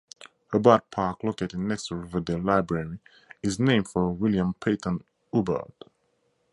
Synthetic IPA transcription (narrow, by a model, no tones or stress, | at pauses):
həbad̚pʰaˑkloketɪ̃nɛkstəɹivədelaɪbɹɛɹi | ɪznẽɪ̃mdfɔwiljə̃mpʰetʰə̃n | ubə̰d̥